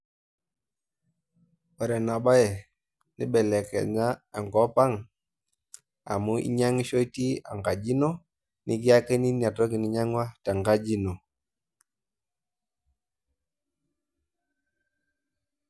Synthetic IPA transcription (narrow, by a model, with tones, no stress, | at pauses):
ɔ˨ɾɛ˨na˨ba˦jɛ˨ | ni˦bɛ˨lɛ˨kɛ̰˨ɲa˦a˨ŋɡɔ˨˦pa˦ŋ | a̰˨mu˦ḭ˦ɲa˦ŋi˦ʃo˦i˦ti˦a̰˨ŋɡa˨d͡ʒi˦no˦ | ni˦k̬i˦a˦ke˦ni˦ni˦˨a˨tɔ˦ki˨ni˨ɲa˦ŋ˦wa˦ta˨ŋɡa˦d͡ʒi˦no˨